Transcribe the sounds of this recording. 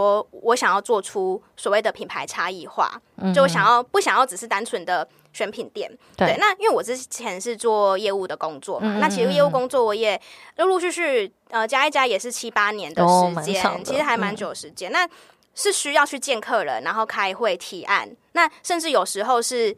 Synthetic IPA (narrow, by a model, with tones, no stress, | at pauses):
ɔ˥wɔ˧˦ɕjɑ˨˩ŋjɑ˥˧ʊt͡swɔ˥˩ʈ͡ʂʰu˥ | swɔ˨˩we˥˩ɪd̪ə˩pʰi˨˩npʰa˧˦ɪʈ͡ʂʰa˥i˥˧xwa̰˥˩ | o˥˩wɕjɑ˨ŋjɑ˥˩ʊpu˥˩ɕjɑ˨˩ŋjɑ˥˩ʊʈ͡ʂɻ̩˨˩ʂ̩˥˩t̪a˥nt͡sʰwə˧˦nd̪ə˨ | ɕɥɛ˧˥npʰi˨˩nt̪jɛ̰˨˩nt̪we˥˩ɪna˥˧i˥nwe˥˩wɔ˨˩ʈ͡ʂɻ̩˥t͡ɕʰjɛ˧˦nʂɻ̩˥˧t͡swɔ˥˨˩jɛ˥˧u˥˩d̪ə˩kʊ˦ŋt͡swɔ˥˩na˥˩t͡ɕʰi˧˥ʂ̩˧jɛ˥˧u˥˩ko˥ŋt͡swɔ˥˩wɔ˧˥jɛ˨˩˥lu˥˧y˥˧ɕy˥˩ | ə˧t͡ɕja˥i˥˩t͡ɕja˥jɛ˨˩ʂɻ̩˥˩t͡ɕʰi˥pa˥njɛ˧˦nd̪əʂɻ̩˧˦˨t͡ɕjɛ˦˨nt͡ɕʰi˧˥˧ʂɻ̩˧˥xa˧˥ɪma˧˦nt͡ɕjo˨˩ʂɻ̩˧˥t͡ɕjɛ˥na˥˧ | ʂɻ̩˥˩ɕy˥jɑ˥˧ʊt͡ɕʰy˥˧t͡ɕjɛ˥˧nkʰɤ˥˩lə̰˩na˧˥nxo˥˩ʊkʰa˥ɪxwe˥˩ɪt̪ʰi˧˥ʔa̰˥˩nna˥˩ʂə˥˧nʈ͡ʂɻ̩˥˩jo˨˩ʊʂɻ̩˧˥xo˥˧ʊʂɻ̩˥˩